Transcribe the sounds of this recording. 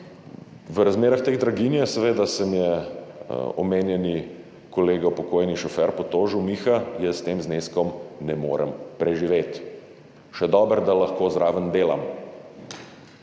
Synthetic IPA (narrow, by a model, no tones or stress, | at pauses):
ʋəɾazmeːɾaxt̪eːɣd̪ɾaɡinjɛsɛʋeːd̪asəmjɛ | ɔmeːnjɛni | kɔleːɡapɔkoːjniʃɔfɛɾpɔt̪oːʒumixajɛst̪eːmzneːskɔmnɛmo̰ːɾə̰mpɾɛʒiʋet̪ | ʃɛd̪ɔːbəɾd̪alaxkoːzɾaːʋənd̪eːla̰m